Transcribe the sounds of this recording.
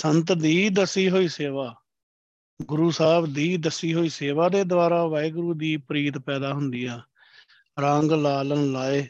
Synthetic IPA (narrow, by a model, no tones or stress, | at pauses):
sənt̪d̪iːd̪əsiːɦoːiːseːʋaː | ɡʊɾuːsaːbd̪iːd̪əsiːɦoːiːseːʋaːd̪eːd̪ʊʋaːɾaːʋaːeːɡʊɾuːd̪iːpɾiːt̪pɛːd̪aːɦʊnd̪iːãː | ɾãːŋɡlaːlənlaːeː